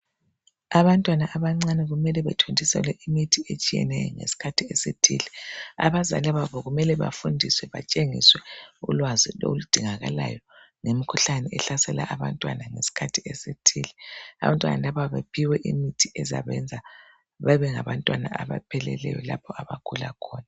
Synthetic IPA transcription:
aβantʼwanaʔaβaŋ͡ǀanɛɣumɛlɛβɛtʰondʱisɛ̰lɛʔimitʰiet͡ʃʼijɛ̰nɛjɔ̰ŋesi̥kʰatʰiesetʰḭlɛa̰βaza̰lɛβaβɔɣumɛlɛβa̰fundʱiswɛβa̰t͡ʃʼeŋiswɛulwazilo̰lud̥ʱiŋaɣalajɔ | ŋemikʰuɬanɛʔɛɬasɛla̰ʔaβantʼwanaŋesi̥kʰatʰiɛsetʰiːlɛa̰βantʼwa̰na̰laβaβapʰiwɛʔimitʰiʔɛza̰βɛnd͡zʱa | βaβɛŋaβantʼwana̰ʔaβapʰɛlɛ̰lɛjɔla̰pʰɔaβakʰulakʰɔːna

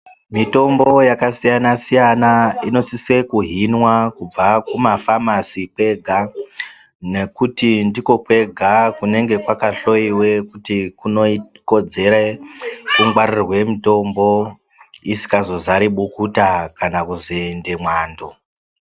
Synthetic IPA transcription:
mito̞mbo̞jakasijanasijanaino̞sise̞kuɦinwakub͡vakumafamasipwe̞ɡʱa | ne̞kutindiko̞pwe̞ɡʱakune̞ŋɡe̞kwakaɬo̞iwe̞kutikuno̞iko̞d͡ze̞ɾekuŋɡwarirwe̞mito̞mbo̞ | isi̥kazo̞zaɾiɓukutakanakuzindimwaːndo

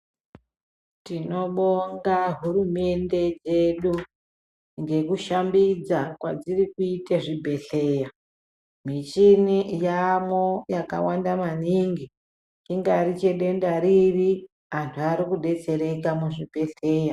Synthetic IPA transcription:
tino̞ɓoŋɡaɦurume̞nde̞d͡ze̞ɗu | ŋɡe̞kuʃambid͡zakwa̰d͡zirikuiteʐibʱe̞ɬe̞ːja | mit͡ʃinijamojaka̰wandamaniŋɡi | iŋɡaɾit͡ʃeɗe̞ndaɾiri | antʰuaɾikuɗe̞t͡se̞ɾe̞kamuʐibʱe̞ɬe̞ːja

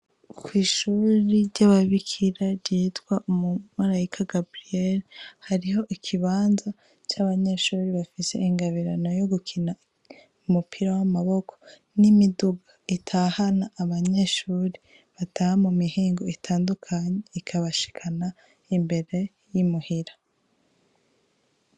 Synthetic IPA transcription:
kwiːʃuɾiɾɟaβaβikʰiɾaɾɟiːtɡwaʔumumaɾaikʰaɡabɾieɾhaɾiho̞ʔikʰiβaːnza | t͡ʃaβaɲe̞ʃuːɾiβafise̞̰iŋɡaβiɾano̞joɡukʰina | umupʰiɾawamaβo̞kʰo̥ | nimiduɡaitʰaːhanaːβaɲe̞ʃuːɾi | βatahamumihiːŋɡo̞itʰaːndukʰaɲeikʰaβaʃi̥kʰana | imbe̞ɾe̞ | jimuhiɾḁ

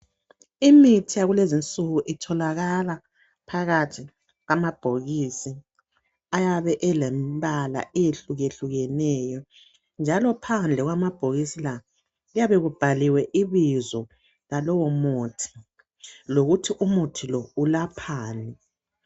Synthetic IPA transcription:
imitʰijaɣulezint͡sʼuɣuʔitʰɔlaɣala | pʰaɣatʰi | ɣamab̥ʱoɣisi | ajaβɛʔɛlɛmbala̰ʔɛjeɬuɣeɬuɣɛnɛjɔ | nd͡ʒʱalɔpʰand͡ɮʱɛɣwamab̥ʱoɣisila | ijaβeɣub̥ʱaliwɛʔiβizɔ | lalɔwɔmotʰi̥ | loɣutʰiʔumotʰilɔulapʰaːnɛ

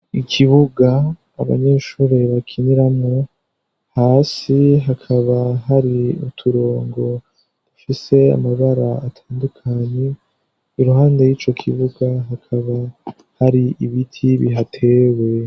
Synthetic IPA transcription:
ikʰiβuɡaː | βa̰ɲe̞ːʃuːɾe̞βakʰiniɾamŋo | haːsiɦakʰaβaɦaɾiṵtʰuɾo̞ːŋɡo̞ | dufise̞a̰maβaɾaatʰaːndukʰaɲe̞ | iɾuɦaːndejiːt͡ʃo̞kʰḭβuɡaɦakʰaβa | haɾiiβitʰiβḭɦatʰe̞we̞

